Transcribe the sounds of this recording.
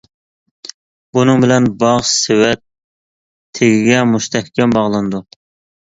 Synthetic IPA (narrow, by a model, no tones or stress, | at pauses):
bunɨŋbɪlɛnbɑʁsɪwɛt̪ʰː | eɡʲɪɡʲɛmuʃt̪ʰɛhkʲɛmbɑʁlˠɨnd̪u